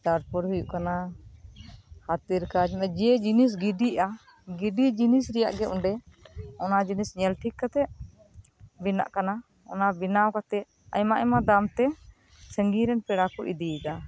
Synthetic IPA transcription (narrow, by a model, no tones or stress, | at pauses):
taɾpɔɾhujuʔkana | hat̪iɾkad͡ʒmɛd͡ʒɛd͡ʒinis̬ɡiɖiʔa | ɡiɖid͡ʒinisɾɛja̰ʔɡɛuɳɖɛɔnad͡ʒinisɲɛlʈʰikkːat̪ɛʔ | bina̰ʔkana | ɔ̰nabinawkat̪ɛʔ | a̰jmaʔɛmad̪amt̪ɛ | səŋɡiɾɛnpɛɽakuʔḭd̪id̪a